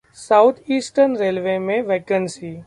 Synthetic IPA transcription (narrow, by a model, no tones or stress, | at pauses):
saʊt̪ʰiːsʈənɾeːlʋeːmẽʋeːkənsiː